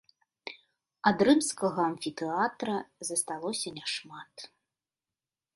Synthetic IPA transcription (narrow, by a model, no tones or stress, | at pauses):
ad̪ɾɨmskɐɣɐːnfʲit̪ɛat̪ɾɐzɐst̪alˠɔsʲɐnʲaʂmat̪